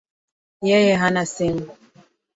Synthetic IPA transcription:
jɛjɛɦanaseŋ

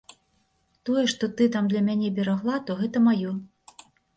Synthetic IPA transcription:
t̪ɔjɛʂt̪ɔt̪ɨt̪̬amd̪lʲɐmʲanʲɛbʲɛɾaɣlˠat̪ɔɣɛt̪ɐmajɔ

